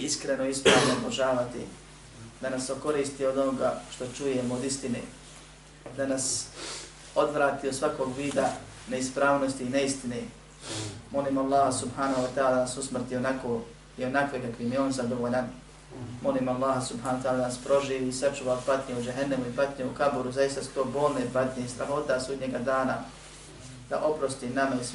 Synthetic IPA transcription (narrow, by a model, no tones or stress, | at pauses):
iskɾenoispɾaːʋnooboʒaːʋat̪ḭ | d̪anasoko̞ɾiːst̪io̞d̪o̞noɡaːʃt̪o̞t͡ʃujemood̪ist̪inḛː | d̪anas | o̞d̪ʋɾaːt̪iosʋakoːɡʋiːd̪a | neispɾaːʋnost̪iːneist̪ineː | mo̞liːmoalˠːɑːhasubhaːnahuat̪aːladaanasusmr̩t̪ionako | io̞nakʋeɡakimjieoːnzad̪o̞ʋoːʎan | mo̞liːmalːaːhasubhanoat̪aːlad̪anaspɾo̞ʒiːʋiːsat͡ʃuʋapat̪ɲeud͡ʒeɦanːamuipat̪ɲeukabuɾuzajist̪asu̥t̪oːboːlˠnepat̪ɲeist̪ɾaɦo̞ːt̪asuːd̪ɲeɡad̪aːna | d̪̥a̰ʔo̞pɾo̞st̪inamais